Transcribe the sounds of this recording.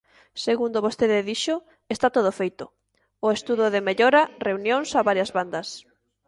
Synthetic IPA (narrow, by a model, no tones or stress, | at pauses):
seɣund̪oβost̪eðɪðiʃʊ | est̪at̪oð̞ofejt̪ʊ | ʊest̪uðʊðemeʎoɾareunjõŋsaβaɾjɐzβand̪ɐs